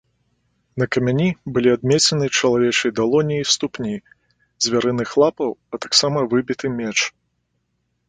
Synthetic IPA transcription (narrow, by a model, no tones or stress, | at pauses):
nɐkɐmʲanʲibɨlʲiad̪̚mʲɛt͡sʲɛnɨt͡ʂɐlˠavʲɛt͡ʂɨjd̪alˠɔnʲijist̪upnʲi | zʲvʲaɾɨnɨxlˠapɐwɐt̪aksamɐvɨbʲit̪ɨmʲɛt͡ʂ